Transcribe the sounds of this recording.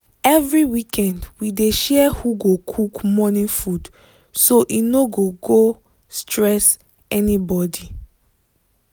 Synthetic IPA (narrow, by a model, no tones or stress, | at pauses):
ɛvɹiwikʰɛ̃ndwideʃɛhuɡokʰukmɔnĩfud | soʔinoɡoɡo | stʰɹɛs | ɛnibɔdi